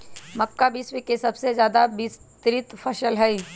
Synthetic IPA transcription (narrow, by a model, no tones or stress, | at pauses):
mɐkːabɪswikesɐbsezjaːd̪abɪst̪ɾɪt̪pʰɐʃəlɦɛi